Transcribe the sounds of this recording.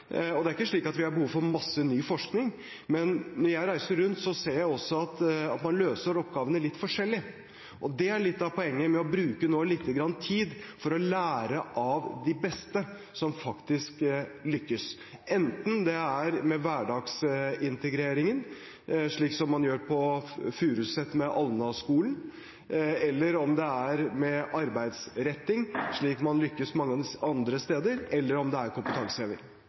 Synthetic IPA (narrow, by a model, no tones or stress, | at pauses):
ɔd̪ɛæɾɪkːəʂɭiːkɑt̪ʋɪhɑɾbəhuːʋfɔɾmɑsːənyːfɔʂknɪŋ | mɛnnɔɾjæɪɾæɪsəɾːʉnt̪sɔseːɾjæɪɔsːɔɑt̪ɑt̪mɑnløːsəɾɔpɡɑːʋənəlɪt̪ːfɔʂɛlːɪ | ʔɔd̪ɛæɭɪt̪ːɑpʰɔɛŋːəmɛɔbɾʉːkənoːlɪt̪ʰːəɡɾɑnːət̪ʰiːd̪fɔɾɔlæːɾəʔɑʋd̪ɪbɛst̪ə | sɔmfɑkt̪ɪsklʏkːəs | ɛnt̪n̩d̪ɛæɾmɛʋæːɖɑːɡsɪnt̪əɡɾeːɾɪŋən | ʂɭiːksɔmːɑnjøːɾpʰɔfʉːɾʉsɛt̪ːmɛʔɑlnɑskuːlən | ɛlːəɾɔmd̪ɛæɾmɛʔɑɾbæɪd̪sɾɛt̪ːɪŋʂɭiːkmɑnlʏkːəsmɑŋːəɑnd̪ɾəst̪eːd̪əɾɛlːəɾɔmd̪ɛæɾkʊmpət̪ʰɑŋsəeːʋɪ̰ɾ